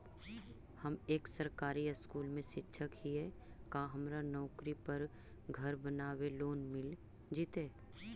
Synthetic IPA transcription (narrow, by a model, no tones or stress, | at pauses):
hɐmeːksɐɾkaːɾiəskuːlmẽʃɪtːʃʰəkɦiɦɛ | kaːɦɐmɾanɔːkɾipɐɾ | ɡʱɐɾbənaːweloːnmɪl | d͡ʒiːt̪eː